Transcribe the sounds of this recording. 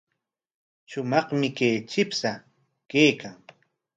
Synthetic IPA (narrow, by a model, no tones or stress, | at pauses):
ʃʊmɑχmɪkeːt͡ʃɪpsa | kejkaŋ